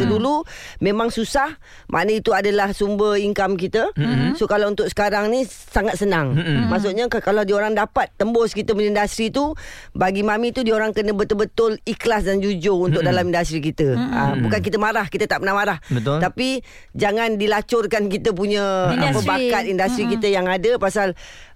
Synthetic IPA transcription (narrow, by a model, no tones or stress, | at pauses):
t̪ədulumemãŋsusah | mʔa̰ʔnəit̪uadalahsumbəiŋkamk̬it̪əsokalaunt̪ʊk̚sə̥kaɾaŋni | saŋat̪̚sənaŋmaʔs̬ʊʔɲakaladioɾaŋdapat̪ːəmboskit̪əpuɲəindast̪ɾit̪u | baɡimamĩt̪udioɾaŋkənəbət̪əbət̪ʊliklasdand͡ʒud͡ʒʊunt̪ʊk̚dalamindast̪ɾikit̪əa̰bukankit̪əmaɾahkit̪ət̪aʔpənamaɾahət̪t̪api | d͡ʒaŋãndilat͡ʃʊrkankit̪əp̬uɲə̃a̰pəbakat̪̚indast̪ɾikit̪əjaŋadəpasal